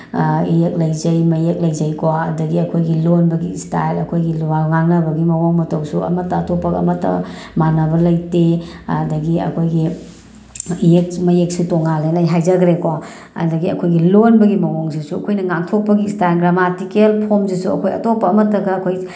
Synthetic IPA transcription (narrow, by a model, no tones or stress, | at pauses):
ijek̚lɐjzɐjmɐjek̚lɐjzɐjkowaɐdɐɡiɐkʰojɡilonbɐɡistajlɐkʰojɡiluwalŋaŋnɐbɐɡimɐwoŋmɐtɐwsuɐ̰mɐtːɐɐtopːɐɡɐ̰ɐ̰mɐtːɐ̰manɐbɐlɐjtedɐɡiɐ̰kʰojɡi | iek̚mɐjek̚sutoŋːalenajɦajzɐɡɾekowa | ɐ̰dɐɡiɐ̰kʰojɡilonbɐɡimɐwoŋsisuɐkʰojnɐŋaŋtʰok̚pɐɡiːstajlɡɾamatikelpʰomsisuɐ̰kʰojɐ̰topːɐːmɐtːɐɡɐːkʰoji